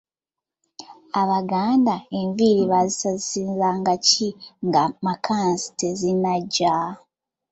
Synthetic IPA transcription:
aβaɡaːndaeɱviɾiβazisazisiːnzaŋɡaciŋɡamakʰansi̥tezinaɟːa

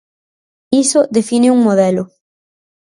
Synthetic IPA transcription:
isʊðefinɪuŋmoðɛlʊ

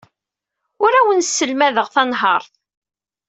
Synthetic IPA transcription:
ʊɾæwənsːəlmæðəʁθɑnɦɑɾˤθ

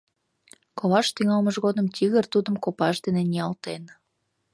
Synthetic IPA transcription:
koβɑʃt̪yŋɑlməʒɣod̪əmt̪ʲiɣərt̪ud̪əmkopɑʃd̪enenʲiɑlt̪en

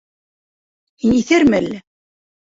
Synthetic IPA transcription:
hiniθæɾmɘælːæ

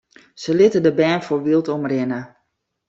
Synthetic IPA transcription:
səlɪtədəbɛːnfoɹʋɪlˠtɔmrɪnə

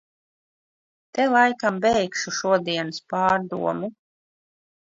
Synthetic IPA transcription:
t̪ɛlˠajkambɛjkʃuʃuɔd̪iɛnɨspɑːɾd̪ṵɔmu

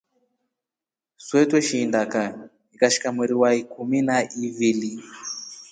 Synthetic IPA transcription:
swɛtwɛʃiːndaka | ikaʃi̥kamwiɾiwaikuminaʔivili

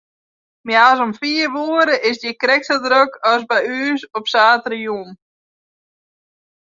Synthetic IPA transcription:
mjas̬ɔmfiːɾvuːɾəʔɪsd̪jɛkɾɛksad̪ɾœkœsbajyːsɔpsaːt̪ɾəjuːm

